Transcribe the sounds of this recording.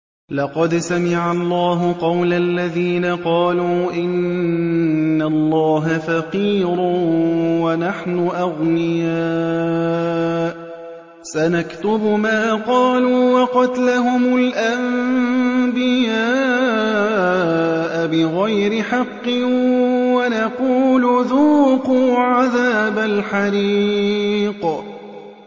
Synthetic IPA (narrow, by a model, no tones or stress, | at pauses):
lɑqɑd̪samɪʕalˤːɑːɦʊqɑwlalːaðiːnaqɑːluːʔɪn | alˤːɑːɦafaqiːɾ | wanaħnʊʔɑɣnɪja | ʔ | sanakt̪ʊbʊmaːqɑːluːwɑqɑt̪laɦʊmʊlʔam | bɪjaː | ʔabɪɣajɾɪħɑqːɨ | wanaquːlʊðuːquːʕaðaːbalħɑɾi | q